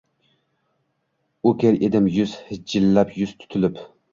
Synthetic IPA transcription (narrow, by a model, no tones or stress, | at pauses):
ukʲeɾʔed̪ɪmjyz̥hɪd͡ʒilːɛpjyz̥t̪ʰy̥t̪ʰylyp